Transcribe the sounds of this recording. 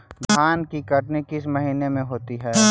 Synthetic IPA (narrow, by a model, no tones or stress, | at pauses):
d̪ʱaːnkikɐʈnikɪsmɐɦiːnemẽɦoːt̪iɦɛː